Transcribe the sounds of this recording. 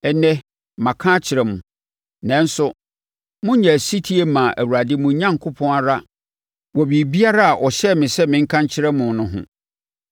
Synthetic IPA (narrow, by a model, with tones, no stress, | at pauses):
ɛ˨nɛ̃˦ | mã˨kʰã˦t͡ɕʰɪ˨ɾɛ˨mʊ̃˨ | nɛ̃˨n̩˦sʊ˦ | mʊ̃˦ɲɛ̃˨si˦tʰi˦e˦mã˨ʔæ̰˨wu˨ɾa˨dɪ˦mʊ̃˨˦ɲã˦ŋ˨kʰʊ˦pʰɔ̃˦na˨ɾa˦ | wɔ˨bi˨bi˦a˦ɾa˦a˨ʔɔ˨ɕɛ˦mɪ̃˨sɛ˦mɪ̃˨ŋ̩˦kʰã˦ɲt͡ɕʰɪ˦ɾɛ˦mʊ̃˨nʊ̃˦ɦʊ̰̃˦